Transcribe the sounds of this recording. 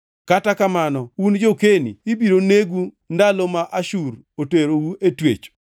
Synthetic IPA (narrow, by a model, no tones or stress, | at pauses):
katakamanɔund͡ʒokenḭːbiɾoneɡu | ndalomaʔaʃuɾ | oteɾowuʔetwḛt͡ʃ